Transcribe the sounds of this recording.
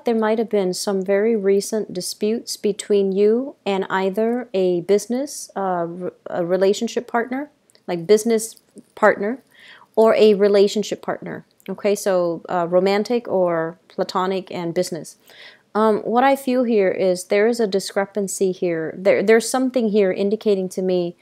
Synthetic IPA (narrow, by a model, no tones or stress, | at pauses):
ðə˞maɪt̚hɨvbɪ̃nsʌ̃ɱvɛɹiɹisə̃nd̥ɨspjʉtsb̥ɨtʰw̥ĩnjuɨ̃naɪðə˞ɨbɪznɨsʌə̰ɹileɪʃn̩ʃɪpʰɑɹtⁿnə˞ | laɪk̚b̥ɪznɨs | pʰɑɹtⁿnə˞ | ə˞ʔɨɹileɪʃɨ̃n̩ʃɨpʰɑ̰ɹtⁿnə̰˞ | oʊkʰeɪsoʊʌɹõʊmæ̃ntɪkə˞pʰl̥ətʰɑñɨkʰɨ̃nbɪznɨs | ʌ̃wʌɾaɪfilˠɦiɹʔɪzðə˞ɨzɨdɨskɹɛpɨ̃nsihiɹðə̰˞ðə˞z̥sʌ̃mθɪ̃ŋɦiɹʔɪ̰̃ndɨkʰeɪɾɪ̃ŋtʰɨmi